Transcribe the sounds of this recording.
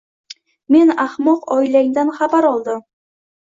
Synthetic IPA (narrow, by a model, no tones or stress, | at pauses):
me̞naχmɒqɒjlaŋd̪anχabaɾɒlˠd̪ɪ